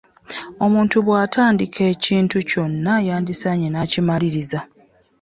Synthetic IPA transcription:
o̞muːntuβwaːtʰaːndikʰe̞ːciːntuco̞nːajaːndisaɲenaːcimaliɾiza

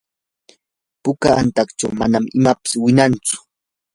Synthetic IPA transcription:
pʊkaant̪ɑkt͡ʃa̰wmanamɪmapɪ̥swɪnant͡sʊ̥

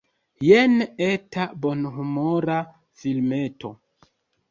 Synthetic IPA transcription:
jenetabo̞nɦumoɾa | filmeto̞̰

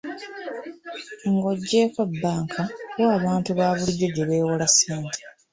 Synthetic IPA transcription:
ŋɡo̞ɟːe̞ːkabːaːŋkʰawaːβaːntuβaːβuliɟːo̞ɟe̞βe̞ːwolaseːntʰe̥

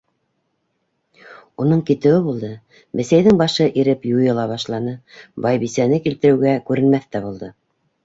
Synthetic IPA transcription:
un̪ɤɴkit̪ɘ̆wɘβulˠd̪ɤ | mɘ̆sæjðɘŋbɑʃɤʔiɾɘpjujɤ̆lˠɑβɑʃlˠɑnɤbɑjβisænɘkilt̪ɘ̆ɾɘ̆wɡækʉɾɘ̆nmæθt̪æβulˠd̪ɤ

